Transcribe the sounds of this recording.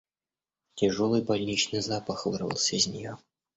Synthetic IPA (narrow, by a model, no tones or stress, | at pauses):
tʲɪʐolˠɨjbɐlʲnʲit͡ɕnɨjzapəxvɨrvə̰lˠsʲəizʲnʲɪjo